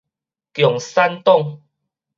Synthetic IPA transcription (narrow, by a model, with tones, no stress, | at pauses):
kjɔ˨˩ŋsa˦nt̪ɔ˥˨ŋ